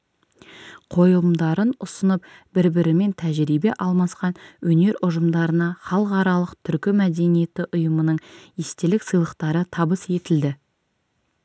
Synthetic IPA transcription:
qʰo̞jlˠəmd̪ɑɾənʊsənəpbɪɾbɪɾɪme̞nt̪ʰæʒɾibe̞ʔɑlˠmɑsqɑnwɵne̞ɾʔʊʒəmd̪ɑɾənɑχɑlˠəqɑɾɑlˠəqt̪ʰʏɾkʲɪmæd̪e̞nije̞t̪ɪʔʊjəmənəɴest̪e̞lɪksəjlˠəqt̪ɑɾət̪ʰɑbəse̞t̪ɪld̪ɪ

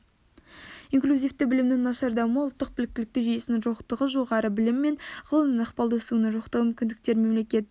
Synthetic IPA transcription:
iŋklʲuzijft̪ɪbɪlɪmnɪŋnɑʃɑɾd̪ɑwməʊlˠt̪ːəq̚bɪlɪk̚t̪ɪlɪk̚t̪ɪʒijesɪnɪŋʒoqt̪əʁəʒo̞ʁɑɾəbɪlɪmːe̞nʁəlˠəmɪnəqpɑlˠd̪suənəʒoqt̪əʁməmʏmkʲɪnd̪ɪk̚t̪e̞ɾme̞mle̞kʲe̞t̪

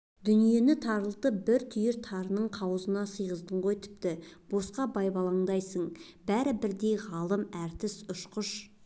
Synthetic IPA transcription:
d̪̥ʏnije̞nɪt̪ʰɑɾəlˠt̪əbɪɾt̪ʰʏjɪɾt̪ʰɑɾənəɴqʰɑwəzənɑsəjʁəzd̪əɴʁojt̪ʰɪ̥p̚t̪ɪb̥o̞sqɑbɑjbɑlˠɑɴd̪ɑjsəɴbæɾɪbɪɾd̪ejʁɑlˠəmæɾt̪ɪsʊʃqʊʃ

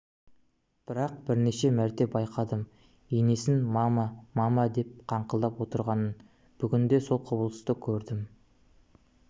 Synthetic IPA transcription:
b̥ɪɾɑq̚b̥ɪɾneʃe̞mæɾt̪e̞p̚bɑjqʰɑd̪əm | ene̞sɪnmɑmɑmɑmɑd̪e̞p̚qʰɑɴqəlˠd̪ɑpwo̞t̪əɾʁɑnən | b̥ʏɡʲɪnd̪e̞so̞lˠqʰʊbəlˠəst̪əkʲʰɵɾd̪ɪm

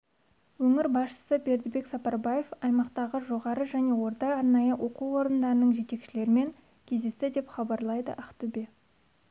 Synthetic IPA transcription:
wɵŋɪɾbɑsʃə̥səbe̞ɾd̪ɪbe̞ksɑpɑɾbaje̞fɑjmɑqt̪ɑʁəʒo̞ʁɑɾəʒæne̞wo̞ɾt̪ɑɑɾnɑjəwʔo̞quwo̞ɾənd̪ɑɾənəɴʒe̞t̪e̞kʃɪle̞ɾɪme̞ŋ | kʲʰe̞zd̪e̞st̪ɪd̪e̞pχɑbɑɾlˠɑjd̪ə̰ʔæqt̪ube̞

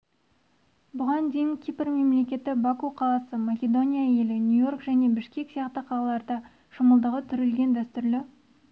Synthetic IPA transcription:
bʊʁɑnd̪e̞jɪŋkʲʰipɪɾme̞mle̞kʲe̞t̪ɪbakuqʰɑlˠɑsəmakʲe̞d̪o̞nʲijaje̞lɪnʲujo̞rkʒæne̞bɪʃkʲe̞ksijɑqt̪əqʰɑlˠɑlˠɑɾd̪ɑ | ʃəməlˠd̪əʁət̪ʰʏɾɪlɡʲe̞nd̪æst̪ʏɾlɪ

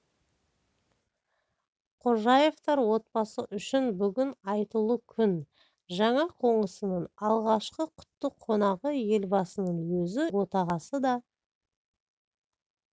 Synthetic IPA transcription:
qʰʊɾʒɑje̞ft̪ɑɾwo̞t̪̚pɑsəʔʏʃɪnbʏɡʲɪnɑjt̪əlˠəkʲʰʏn | ʒɑɴɑqʰo̞ɴəsənəɴɑlˠʁɑʃqəqʰʊ̥t̪ːəqʰːo̞nɑʁəje̞lbɑsənəɴwɵzɪwo̞t̪ɑʁɑsəd̪ɑ

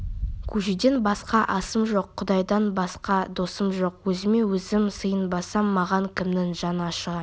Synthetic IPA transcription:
kʲʰʉʒid̪e̞nbɑsqɑʔɑsəmʒo̞qʰːʊd̪ɑjd̪ɑnbɑsqɑd̪o̞səmʒo̞qwɵzɪme̞wɵzɪmsəjənbɑsɑmːɑʁɑŋkʲʰɪmnɪŋʒɑnəɑʃəʁɑ

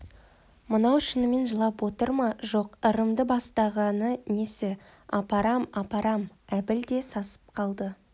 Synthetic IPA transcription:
mənɑwʃɪnəme̞nʒəlˠɑpwo̞t̪əɾmɑʒo̞qəɾəmd̪əbɑst̪ɑʁɑnənesɪ | ɑpɑɾɑmɑpɑɾɑm | æbɪld̪e̞sɑsə̥p̚qʰɑlˠd̪ə

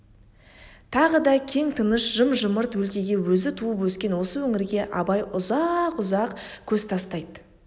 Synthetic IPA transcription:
t̪ʰɑʁəd̪ɑkʲʰe̞ŋt̪ʰənəʃʒəmʒʊməɾt̪wɵlkʲe̞ɡʲe̞wɵzɪt̪ʰuəpwɵskʲe̞nwo̞səwɵŋɪɾɡʲe̞ʔɑbɑjʔʊzɑqʊzɑqkʲʰɵzt̪ʰɑst̪ɑjd̪ə

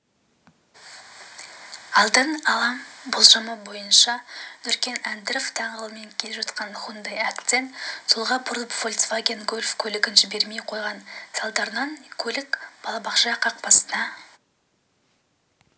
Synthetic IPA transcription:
ɑlˠd̪əɴɑlˠɑmbʊlˠʒɑməbo̞jənʃɑnʏɾkʲe̞nænd̪ɾoft̪ʰɑɴəlˠəme̞ŋkʲʰe̞lepʒɑt̪qɑnχund̪ejakt̪sent̪ʰolˠʁɑpʰʊɾˠəpvolʲt̪svaɡʲenɡɵlʲfkʲʰɵlɪɡʲɪnʒɪbe̞ɾme̞jqʰo̞jʁɑnsɑlˠd̪ɑɾənɑnkʲʰɵlɪkb̥ɑlˠɑbɑqʃɑqʰɑq̚pɑsənɑ

